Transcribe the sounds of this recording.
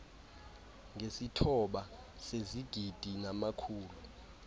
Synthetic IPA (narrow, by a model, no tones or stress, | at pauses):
ŋʱesitʰɔɓa | seziɡ̥ʱid̥ʱinamakʰuːlu